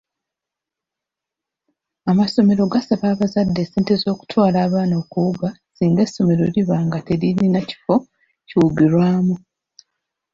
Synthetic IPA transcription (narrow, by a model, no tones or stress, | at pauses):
amaso̞me̞ɾo̞ɡasaβaːβazadːe̞se̞ːntezo̞ːku̥tʰwaːlaːβaːnaokuuɡasiːŋɡesːo̞me̞ɾo̞ɾiβaːŋɡate̞ɾininaci̥fo̞ | ciwuɡiɾwaːmu